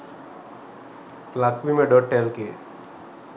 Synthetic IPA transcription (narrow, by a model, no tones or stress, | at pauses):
lakʋimeɖoʈːelke